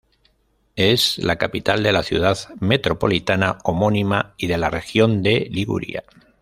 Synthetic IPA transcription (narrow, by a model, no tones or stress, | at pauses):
ezlakapit̪ald̪e̞laθjṵðaðme̞t̪ɾo̞po̞̰lit̪anaomo̞nimaiðe̞lare̞xjo̞nd̪e̞liɣṵɾḭa̰